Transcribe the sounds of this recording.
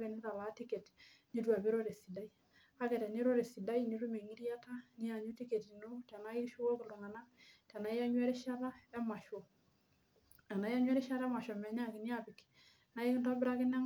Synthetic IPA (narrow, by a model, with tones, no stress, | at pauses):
ke˨ni˦ta˨la˨˦ti˦ke˨t | ni˦twa˨be˦ɾo˦ɾe˨si˨da˦i˦ | a˦kɛ˨tɛ˨ni˦ɾo˦ɾe˨si˨da˦ini˦ɾu˦me˨ŋi˦ɾja˦ta˦ni˦a˨ɲu˦ti˦ke˨ti˨no˦ta˨na˦i˦ʃu˦kɔ˦kɪ˨lu˨ŋa˨na˦ta˨na˨i˦a˦ɲwɛ˦ɾi˦ʃa˦ɾa˦ɛ˦ma˨ʃɔ˨ | ta˨na˨˦i˦ja˦ɲwɛ˦ɾi˦ʃa˦ɾɛ˦ma˨ʃɔ˨mɛ˨ɲa˦˨kɪ˨ni˦a˨pɪ˨k | na˦i˦kɪ˦nta˦bɪ˦ɾa˦kɪ˦na˦